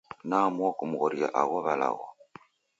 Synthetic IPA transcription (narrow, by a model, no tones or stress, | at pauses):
namwɔkumuɣɔɾia̰ʔaɣɔβala̰ɣɔ